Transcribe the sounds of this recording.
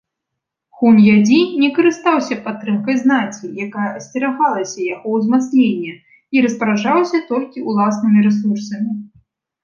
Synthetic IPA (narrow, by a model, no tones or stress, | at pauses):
xunʲjad͡zʲinʲɛkɐɾɨst̪awsʲɐpat̪ːɾɨmkɐjznakʲijakajɐɐsʲtʲɛɾaɣalˠɐsʲɐjaɣɔwzmat̪snʲenʲːɐ | iɾɐspɐɾaʐawsʲɐt̪ɔlʲkʲiulˠasnɨmʲiɾɛs̬ursɐmʲi